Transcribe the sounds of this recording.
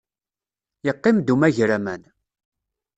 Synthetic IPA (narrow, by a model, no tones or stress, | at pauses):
jəqːɪmd̪umæʝɾæmæn